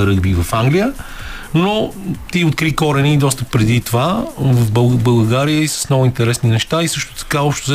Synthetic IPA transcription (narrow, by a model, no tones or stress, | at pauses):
ɾəɡbivɐfaŋɡlijə | not̪iot̪̚kɾikɔɾɛnid̪ɔst̪əpɾɛd̪it̪ovavəfbˠbəlˠɡaɾijəisə̥snɔɡʊint̪ɛɾɛsninɛʃt̪aisɤʃt̪ʊ̥t̪ɐ̥kaɔpʃt̪ʊz